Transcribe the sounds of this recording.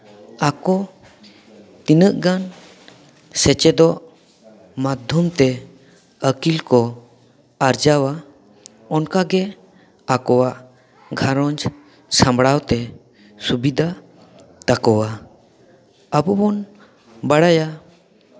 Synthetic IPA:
akɔ | t̪inəʔɡan | sɛt͡ʃɛd̪ɔʔ | mad̪ʱjɔmt̪ɛ | əkilkɔ | aɾd͡ʒawa | ɔnkaɡɛ | akɔwaʔ | ɡʱaɾɔɲd͡ʒ | sãmbɽawt̪ɛ | subid̪ʱa | t̪akɔwa | əbɔbɔn | baɽaja

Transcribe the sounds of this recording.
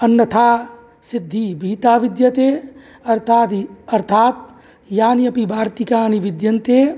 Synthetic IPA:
ɐnːɐt̪ʰaː | sɪd̪ʱːibʱiːt̪aːʋɪd̪jət̪eː | ɐɾt̪ʰaːt̪ɐɾt̪ʰaːt̪̚ | jaːniɐpibʱaːɾt̪ikaːniʋɪd̪jɐnt̪eː

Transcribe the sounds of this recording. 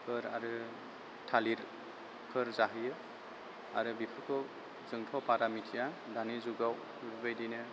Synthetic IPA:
kʰɯɾa̰ɾɯ | tʰaliɾ | kʰɯɾzaɦɯjɯ | a̰ɾɯbipʰɯkʰɔ | zɯŋtʰɔpaɾamitʰija | danizuɡaw | ɾubɯjdinɯ

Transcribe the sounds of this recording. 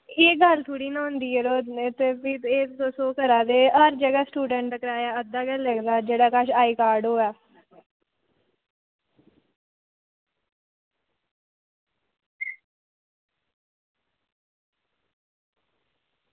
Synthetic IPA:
eːɡəlt̪ʰoːɽiːnãːʊ̃nd̪iːɛːɾoːnet̪eːpieːd̪oːsoːkəɾaːd̪eːɦəɾd͡ʒəɡɛːsʈuːɖəɳʈəkəɾaːjaːəd̪aːɡəlːəɡd̪aːd͡ʒeːɽaːkəʃaːiːkaːɾɖɦoːɛː

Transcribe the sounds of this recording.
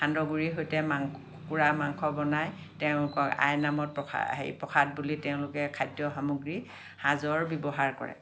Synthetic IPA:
xandɔɡuɹiɦojtɛmaŋ | kuɹamaŋkʰɔbɔnaj | tɛʊ̃lʊkɔka̰jnamɔt̚pɔ̰ɦḛjpɹɔkʰad̚bulitɛʊ̃lʊkɛkʰajdjɔxamuɡɹi | hazɔɹbibɔɦaɹkɔ̰ɹɛ̰

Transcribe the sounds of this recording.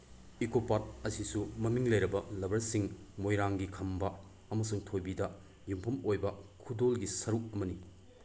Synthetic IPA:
ikopat̚ɐsisumɐmiŋlɐjɾɐbɐlɐbɐɾsiŋmojɾaŋɡikʰɐmbɐ | ɐmɐsuŋtʰojbidɐ | jumpʰɐmojbɐkʰudolɡisɐɾuk̚ɐmɐni

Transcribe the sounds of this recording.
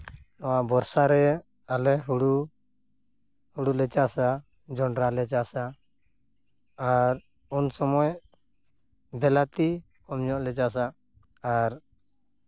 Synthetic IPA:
nɔwabɔɾsaɾɛ | alɛɦuɽu | huɽulɛt͡ʃasa | d͡ʒɔɳɾalɛt͡ʃaʔsa | ɾ | unsɔmɔj | bɛlat̪i | kɔmɲɔʔlɛt͡ʃas̬aː | ɾ

